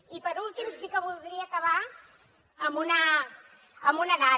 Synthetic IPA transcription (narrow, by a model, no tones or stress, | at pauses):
ipəɾulˠt̪imsikəβulˠd̪ɾiəːkəβaː | mbunəː | mbunəna